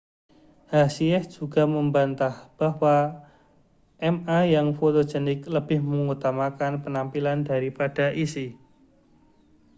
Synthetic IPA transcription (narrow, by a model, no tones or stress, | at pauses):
hasiɛsd͡ʒ̥uɡa̤məmbant̪ahb̥aɦwa | ʔɛmajaŋfot̪o̥d͡ʒɛnɪkləb̥ɪhməŋut̪amakanpənampilandaɾipad̥a̤ʔisi